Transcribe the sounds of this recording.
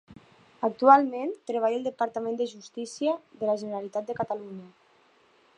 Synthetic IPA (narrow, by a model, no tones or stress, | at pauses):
ak̚t̪ualˠmẽnt̪ɾəβ̞ajəlˠd̪əpaɾt̪amẽnd̪əʒust̪isiəðəlaʒənəɾalit̪at̪̚d̪əkat̪aluɲə